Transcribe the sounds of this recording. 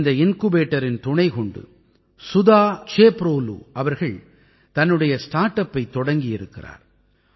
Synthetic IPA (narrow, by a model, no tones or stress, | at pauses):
nd̪ɐɪnkubeːʈːɐɾɪnt̪ʊɳɐɪkɔɳɖɯ̰ | sʊðaːt͡ʃeːpɾoːlṵːʔɐʋɐɾɣɐɭ | t̪ɐnːɯɽɐjɐsʈaːɾʈːɐpːɐɪt̪ːɔɽɐŋɡɪjɪɾɯkːɪra̰ːɾ